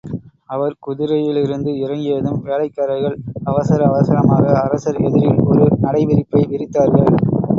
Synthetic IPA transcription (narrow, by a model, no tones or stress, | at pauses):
ɐʋɐɾkʊðɪɾɐjɪlɪɾɯnd̪ɯɪɾɐŋɡɪjɐðɯmʋeːlɐɪkːaːɾɐɪɣɐɭɐʋɐsɐɾɐːʋɐsɐɾɐmaːɣɐːɾɐsɐɾɛðɪɾɪlɔɾɯnɐɽɐɪʋɪɾɪpːɐɪʋɪɾɪt̪ːaːɾɣɐɭ